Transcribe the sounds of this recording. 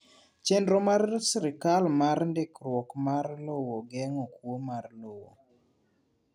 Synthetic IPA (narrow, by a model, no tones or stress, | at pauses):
t͡ʃɛndɾɔmarsɾɪkalmaɾndɪkɾwɔkmarlowoɡɛŋɔkwomarlowo̰